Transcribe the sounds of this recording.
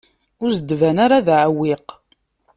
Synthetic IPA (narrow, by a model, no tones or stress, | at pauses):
ʊɾzd̪vænaɾaðʕəwːiq